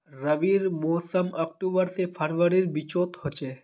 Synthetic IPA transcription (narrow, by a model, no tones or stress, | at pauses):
ɾəbiɾmoːsəmɔkʈubəɾsepʰəɾʋəɾiɾbit͡ʃot̪ɦot͡ʃe